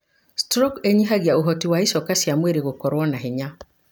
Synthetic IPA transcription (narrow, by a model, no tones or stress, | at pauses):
stɾɔkeɲiɦaɣiaoɦɔtiwaisɔkasjamweɾeɣokɔɾwɔnaɦeɲa